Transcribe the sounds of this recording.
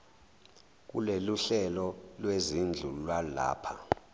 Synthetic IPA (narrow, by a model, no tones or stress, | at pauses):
k̬ṵleluɬɛlɔlwezind͡ɮʱulwala̰ːpʰa